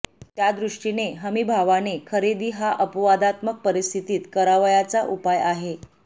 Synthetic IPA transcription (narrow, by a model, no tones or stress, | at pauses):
t̪jad̪ɾuʂʈineɦəmibʱaʋanekʰəɾed̪iːɦaʔəpʋad̪at̪mək̚pəɾist̪ʰit̪iːt̪kəɾaʋəjat͡saʔupajaɦe